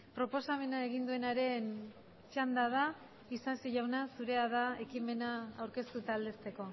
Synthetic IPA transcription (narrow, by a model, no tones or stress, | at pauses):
pɾo̞po̞same̞naeɣind̪ue̞naɾe̞n | t͡ʃand̪að̞a | isasiʝawnasuɾe̞aðae̞kime̞naawɾke̞st̪ut̪aːld̪e̞st̪e̞ko̞